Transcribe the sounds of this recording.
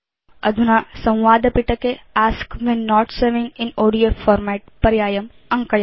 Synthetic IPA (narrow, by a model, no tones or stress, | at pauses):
ɐ̰d̪ʱunasɐ̃w̃ʋaːd̪ɐpiʈɐkeaːskʋɛnːɔːʈsɐɾʋɪ̃ŋɪ̃noːɖijofɔːɾmɛːʈ̚pɐɾjaːjɐm | ɐ̃ŋkɐj